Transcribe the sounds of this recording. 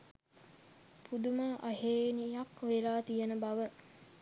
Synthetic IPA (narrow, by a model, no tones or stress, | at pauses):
pʰud̪umaʔaɦeːnijakʋelaːt̪ijənəbɐʋə